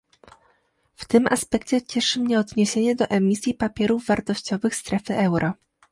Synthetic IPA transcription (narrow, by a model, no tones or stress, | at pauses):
ft̪ɘmʔa̰spɛkt͡ɕɛt͡ɕɛʂɘmɲɛɔd̪ɲeɕeɲɛd̪ɔʔɛmʲisʲjipapʲjɛɾuvːaɾt̪ɔɕt͡ɕɔvɘxst̪ɾɛfɘʔɛwɾʔɔ